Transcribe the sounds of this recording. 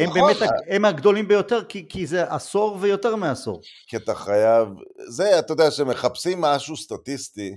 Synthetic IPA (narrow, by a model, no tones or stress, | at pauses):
hembeːmetaemaɡd̪o̞limbejo̞t̪e̞ʁkikʰizeʔaso̞ʁvejo̞t̪eʁmeaso̞̰ʁkiat̪aχajavzeat̪ajod̪eaʃemeχapsimːaʃust̪at̪ist̪i